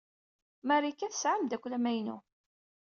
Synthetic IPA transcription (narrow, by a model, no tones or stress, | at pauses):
mæɾikːæθə̥sʕamd̪ækʷːlæmæjnṵ